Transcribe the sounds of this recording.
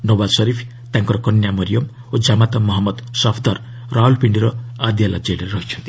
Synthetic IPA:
nobasɔɾipʰ | t̪aŋkɔɾɔkɔnjamɔɾijɔm | od͡ʒamat̪ɔmːɔɦɔmːɔd̪sɔpʰd̪aɾ | ɾaɦulpiɳɖiɾɔad̪ijala̰d͡ʒeɽeɾeɾɔɦit͡ʃʰɔnt̪i̥

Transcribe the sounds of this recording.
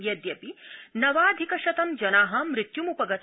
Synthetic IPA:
jɐd̪jɐpinɐʋaːd̪ʱikɐʃɐt̪ɐmd͡ʒɐnaːɦɐmɾɪt̪jumupɐɡɐt̪

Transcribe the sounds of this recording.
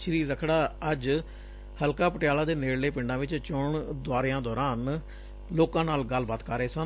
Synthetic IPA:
t͡ʃʰɾiːɾəkʰɽaːəd͡ʒ | həlkaːpəʈɪjaːlaːd̪eːneːɽleːpɪɳɖãːʋɪt͡ʃt͡ʃʊɳd̪ʊaːɾɪjãːd̪ɔːɾaːn | loːkãːnaːlɡəlbaːt̪kəɾeːsən

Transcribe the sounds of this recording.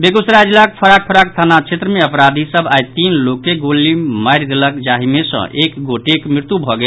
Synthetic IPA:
beɡusɾad͡ʒilakpʰəɾak̚pʰəɾak̚t̪ʰanat͡ʃʰet̪ɾəmeəpɾad̪ʱisəbʱajt̪inlokeɡolimaɪɾd̪eləkd͡ʒaɦimesə̰̃ʔekɡoʈekmɾiɾt̪ubʱɔɡe

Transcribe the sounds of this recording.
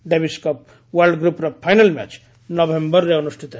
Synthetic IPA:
ɖebiskɔp̚ | ʋɐɾlɖɡɾupɾɐpʰajnɐlmɛ̰t͡ʃ | nobẽmbəɾːeonusʈʰit̪

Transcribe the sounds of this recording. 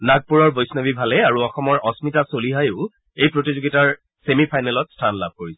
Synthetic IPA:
naɡ̚puɹɔɹbojsnabibʱalɛaɹuɔxɔmɔɹʔɔsmitasoliɦajʊʊ | ejpɹotizuɡitaɹ | semipʰajnɛlɔtstʰanla̰b̚ʱkoɹisɛ

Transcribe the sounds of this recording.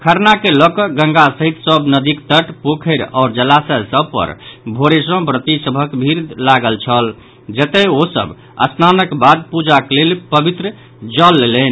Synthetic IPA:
kʰəɾnakelɔkəɡə̃ŋɡasəɦit̪səbnəd̪ikt̪əʈpokʰəɪɾaʊɾd͡ʒəlasəsəbpə̰ɾbʱoɾesɔ̃bɾət̪isəbʱəkbʱiɾlaɡəlt͡ʃʰəl | d͡ʒət̪ɛosə̰b | ə̰snanəkbad̪̚pud͡ʒaklelpəbit̪ɾə | d͡ʒəlːelen

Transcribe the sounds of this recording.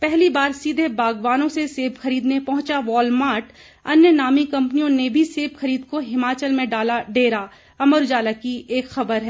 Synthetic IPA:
pɛɦlibaːɾsiːd̪ʱebaːɡʋaːnõseseːbxɐɾiːd̪nepɐɦʊ̃t͡ʃaʋɔːlmaːɾʈ | ɐnjənaːmikɐ̃mpnijõnebʱiseːbxɐɾiːd̪̚koɦɪmaːt͡ʃəlmẽɖaːlaɖeːɾa | ɐməɾd͡ʒaːlakieːkxɐbəɾɦɛː

